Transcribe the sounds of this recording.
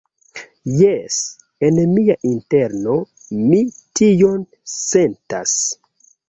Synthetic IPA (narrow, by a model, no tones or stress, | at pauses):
jes | enmiaʔinte̞ɾno̞ | mitijo̞n | se̞nta̰s